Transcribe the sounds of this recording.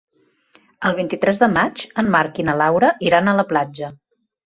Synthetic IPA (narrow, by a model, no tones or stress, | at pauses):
əlˠβ̞int̪it̪ɾɛzðəmat͡ʃəmmaɾkinəlawɾəʔiɾanələplad͡ʒə